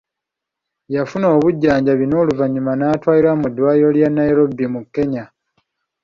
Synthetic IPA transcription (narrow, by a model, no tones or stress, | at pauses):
jafuno̞ːβuɟːaːɲɟaβino̞ːluvaɲumanaːtwaːjiɾwamudːwaːijo̞ljanːaeɾobːimukːe̞ɲa